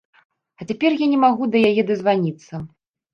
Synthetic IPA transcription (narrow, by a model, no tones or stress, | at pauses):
ɐt͡sʲapʲɛrjanʲɛmaɣud̪ɐjajɛd̪ɐzvanʲit̪sːɐ